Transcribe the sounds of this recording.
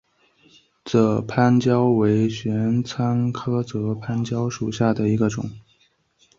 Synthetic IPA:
t͡sɤ˥˩pʰa˥nt͡ɕjɑ˥ʊwe˧˥ɪɕɥɛ˧˥nt͡sʰa˥nkʰɤ˥t͡sɤ˧˥pʰa˥nt͡ɕjɑ˥ʊʂu˨˩ɕja˥˩d̪ə˩i˧˥ɡə˧ʈ͡ʂʊ̰˨˩˦ŋ

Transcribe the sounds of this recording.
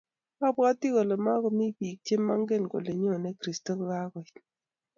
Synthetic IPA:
a˦ba˦ti˦ko˨le˨ma˦kɔ˨mi˦pi˨k̚te˦mːa˦ŋɡe˦nko˨le˨ɲo˦˨nɛ˦kɾi˨sto˦kka˦kɔ˨

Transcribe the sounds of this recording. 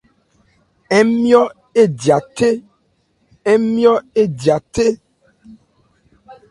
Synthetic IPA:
e˦mĩ˦ɔ˦ | e˦di˨a˨t̪e˦ | e˦mĩ˦ɔ˦e˦di˨a˨t̪e˦

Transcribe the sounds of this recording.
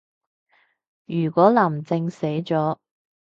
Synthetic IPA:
jyː˨˩kwɔː˨˥lɐ˨˩mt͡sɪ˧ŋse˨˥jt͡sɔː˨˥

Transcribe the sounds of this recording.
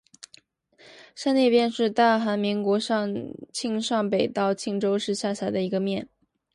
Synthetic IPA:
ʂa˥njɛ˥˧pjɛ˥˧nʂɻ̩˥˧t̪a˥˩xa˧˥nmi˧˥ŋkwɔ˧˥ʂɑ˥˧ŋt͡ɕʰi˥˧ŋʂɑ˥˩ŋpe˨˩ɪt̪ɑ˥˧ʊt͡ɕʰi˥˩ŋʈ͡ʂo˥ʊʂɻ̩˥˧ɕja˥˩ɕʰa˧˥d̪ə˧i˧˥ɡə˧mjɛ˥˩n

